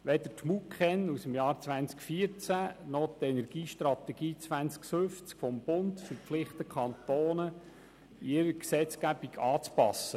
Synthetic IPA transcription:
ʋɛd̪əɾtmukχɛnusəmjɑːɾt͡sʋænt͡skfiəɾt͡sænɔt̪ɛnɛɾɡiːʃtrɑt̪ɛɡ̥iːt͡sʋænt͡skfʏft͡skfɔmbʊnt̪fʏɾpflɪχt̪əkʰɑnt̪oːnə | ɪɾəksɛt͡skæbiɡɑːt͡spɑ̰sːə

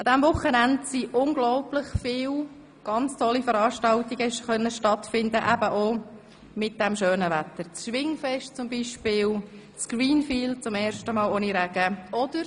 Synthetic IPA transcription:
ɑd̥̪ɛmvʊχənændsiʔʊnɡlɔʊplɪχfɪːw | ɡ̥ɑnt͡stʰɔlːifəɾɑːʃtɑltiɡ̥əʃχœnːəʃtɑtfɪndəʔæbəʔo | mɪt̚d̥ɛmʃøːnəʋæt̪əɾt͡sʃʋɪŋfɛʃtt͡sʊmbiːʃpɪːl | t͡sɡ̥riːnfiːlt͡sʊmɛːɾʃtəmɑːloniɾæɡ̥əɔd̥̪əɾ

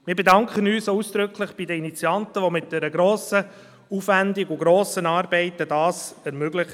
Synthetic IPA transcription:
mɪːɾbɛdɑŋkχənyːsusd̥̪ɾʏkʰlɪχb̥idəinit͡sjɑntəʋomɪt̚d̥ɛɾəɡɾoːsə | ufʋændiɡʊɡɾoːsənɑːɾbɛɪt̪ədɑːsɛɾmøɡlɪχ

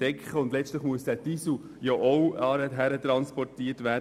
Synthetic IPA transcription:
ɛkχəʊndlɛt͡stləχmuəsd̥ætisu | joʔɔwɑɾəɦæɾətɾɑnspɔrtiːətʋæː

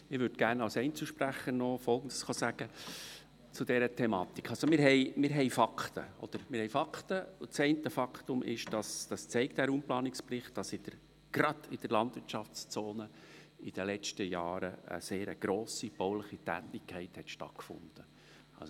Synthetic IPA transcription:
ɪʋʏɾd̥ɡ̥æːrnɑwsɛɪnt͡suʃpræχənɔfɔlˠɡən̩d̥əsχosæɡ̥ə | t͡sʊd̥ɛɾətʰɛmɑːt̪ikχɑlsomɪɾɦɛɪmɪɾɦɛɪfɑkʰt̪ə̰ɔ̰d̪̥əɾmɪɾhɛɪjfɑkʰt̪əʊt͡sɛɪntəfɑkt̪ʊmʔɪ̰ʃd̥ɑsd̥ɑst͡sɛɪk̚t̚d̥æɾumplɑːnɪksprɪχt̚d̥ɑsɪd̥əɾ | ɡ̥rɑd̥̪ɪd̥əɾlɑnd̥vɪɾtʃɑft͡st͡soːnə | ɪd̥əlɛt͡ʃtəjɑːɾəə̰seːɾə̰ɡ̥ɾoːsib̥oʊləχitæ̰ːt̪ɪkʰːɛɪthɛt̪ʃtɑ̰tkfʊ̰nd̪̥ə | ɑ̰lso

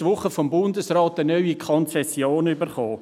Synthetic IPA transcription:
ʋʊχəfɔmbʊndəsrɑːtənœɥikʰɔnt͡sɛsjoːnybəɾχoː

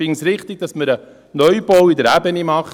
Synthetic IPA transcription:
ɪŋsɾɪχt̪ɪɡ̚dɑsməɾə | nœʏb̥ɔwidəɾæbənimɑχ

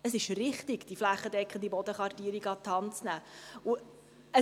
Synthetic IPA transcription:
əsɪʃrɪχt̪iɡd̥iflæχːəd̪ɛkχənd̥̪ibɔd̪əχʋɑrtiːɾiɡɑt̪ʰːɑnt͡snæːʊ | ə

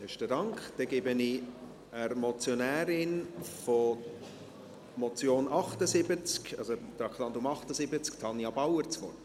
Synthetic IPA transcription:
ɛʃtədɑŋkχd̥ɛɡebəni | əɾmɔt͡sjonæːɾɪnfo | mɔt͡sjoːnʔɑχtəsɪbət͡skɑ̰zod̪ɑkʰlɑnt̪ʊmɑχtəsɪbət͡sktʰɑnjɑbawəɾt͡sʋɔrt

